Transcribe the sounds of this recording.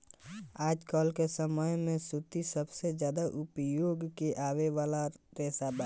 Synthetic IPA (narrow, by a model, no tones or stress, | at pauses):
aːd͡ʒkɔːlkesəməjmẽsʊt̪isəbsezjaːd̪aʔʊpjoːɡkeʔaːweʋaːlaɾeːsaba